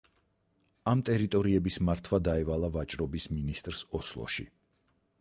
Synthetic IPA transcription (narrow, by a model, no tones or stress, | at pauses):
amt̪ʼɛɾit̪ʼɔɾiɛbismaɾt̪ʰwad̪aɛvalˠavat͡ʃʼɾɔbisminist̪ʼɾsɔslˠɔ̰ʃḭ